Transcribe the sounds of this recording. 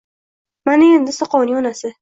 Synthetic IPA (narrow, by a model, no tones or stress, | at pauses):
manɪend̪ɪsɪqʰɒwnɪɒnasɪ